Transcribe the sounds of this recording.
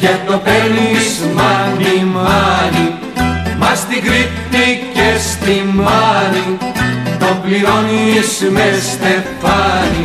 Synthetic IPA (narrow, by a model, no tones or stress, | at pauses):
cet̪openizmɐnimɐni | mɐst̪iɡɾit̪ːicest̪imɐnit̪omblionismest̪efɐni